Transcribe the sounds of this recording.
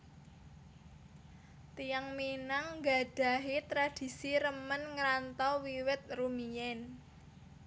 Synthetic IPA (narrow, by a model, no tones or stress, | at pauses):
t̪ijaŋminaŋɡa̤d̥a̤ɦit̪ɾad̥i̤siɾəmənŋɾant̪ɔwiwɪt̪̚rumijɛn